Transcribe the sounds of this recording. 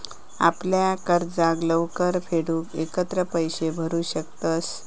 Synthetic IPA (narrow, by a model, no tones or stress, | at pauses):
a̰pljakəɾd͡zãɡləʋkəɾfʰeɽuːkekət̪ɾəpəjɕebʱəɾuːɕək̚t̪əs